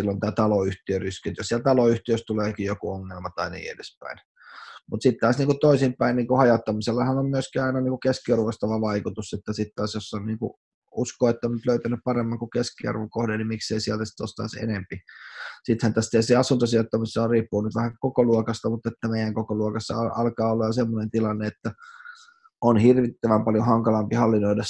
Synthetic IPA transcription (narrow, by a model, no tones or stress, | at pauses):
ilːont̪æːt̪ɑloyht̪iøryskynt̪jɑsiælt̪ɑloyht̪iøst̪uleːkijjokuoŋːelmɑt̪ɑinḭːḛdespæ̰ˑin | mut̪sit̪t̪ɑːsniːŋkutt̪oˑisimpæˑinniːŋkuhɑjot̪ːɑmiselːɑhɑnommyøskiɑˑinɑniːŋkukeskiɑrʋost̪ɑʋɑʋɑˑikut̪uset̪ːæsit̪t̪ɑːsjosːonniːŋkṵ | uskoːet̪ːonnyt̪løyt̪ænyppɑremːɑŋkukeskiɑ̰rʋokohdennimikseisiælt̪æsi̥t̪o̰st̪ɑ̰isḛnempisit̪hænt̪æst̪æeseɑsunt̪ɑsiot̪ːɑmisːoriːpːuːnyt̪ʋæhækokoluɔkɑst̪ɑmut̪ːet̪ːæmeijæŋkokoluokɑsːɑ̰ɑɑlkɑːolːɑjosemːonent̪ilɑnːeet̪ːæ | onhirʋit̪ːæʋæmpɑljohɑŋkɑlɑmpihɑlːinoidɑ